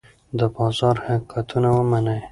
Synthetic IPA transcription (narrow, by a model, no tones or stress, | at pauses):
d̪əbɑzɑɾhakʰat̪ʰunawəmanəj